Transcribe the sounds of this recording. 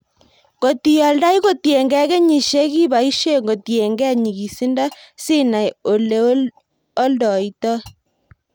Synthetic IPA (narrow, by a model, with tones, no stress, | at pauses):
ko˨ti˨jɔ˨lda˦i˦ko˦˨tje˨ŋɡɛ˦kɛ˦ɲi˨ʃe˦ki˦βa˨i˦ʃe˦ŋɡo˨tje˨ŋɡɛ˦˨ɲi˨ɣi˨si˦nda˦si˦na˨jo˨le˦ | o˦ldɔ˨i˦tɔ˦